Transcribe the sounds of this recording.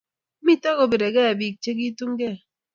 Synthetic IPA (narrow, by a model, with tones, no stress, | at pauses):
mi˦tɔ˦ɣo˨be˨ɾe˨ɡɛ˦a˨bi˨k̚t͡ʃe˦ɡ̬i˦tu˦ŋ˦ɡe˦˨